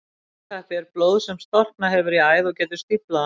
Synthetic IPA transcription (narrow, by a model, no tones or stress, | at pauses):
θaht̪ɪɛɾploːwðsɛmst̪ɔr̥knaɦɛvʏɾiaːjðɔɣcɛːt̪ʏ̥st̪ipla